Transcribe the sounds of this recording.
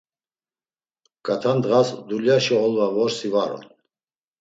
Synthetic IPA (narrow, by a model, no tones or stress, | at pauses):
kʼat̪ʰand̪ʁasd̪uljaʃiɔlvavɔɾsivaɾɔ̰n